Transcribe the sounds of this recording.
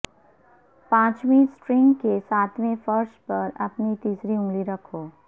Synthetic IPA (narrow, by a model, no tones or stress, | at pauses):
pãːt͡ʃmĩsʈɾɪ̃ŋɡkesaːt̪ʰmẽfɐɾʃpɐɾɐpnit̪iːsɾiʊ̃ŋɡliɾɐkʰoː